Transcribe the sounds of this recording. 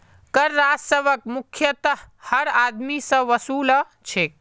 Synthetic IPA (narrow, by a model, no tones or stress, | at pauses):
kəɾːad͡ʒsəbəkmukʰjət̪əɦhəɾad̪misə̃ʋəsuːl | t͡ʃʰek̚